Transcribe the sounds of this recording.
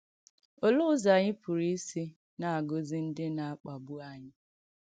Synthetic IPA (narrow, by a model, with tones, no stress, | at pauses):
o˦lʊ˦ʊ˦za˨ɲɪ˦pʊ˨ɾi˦si˦ | na˨a˨ɡo˨zi˦n̩˦dɪ˦na˨a˦k͡pa˨bʊ˦a˦ɲɪ˦